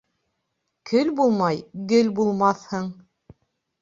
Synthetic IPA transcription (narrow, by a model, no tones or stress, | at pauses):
kʰɵlbulˠmɑjɡɘlbulˠmɑθhɤɴ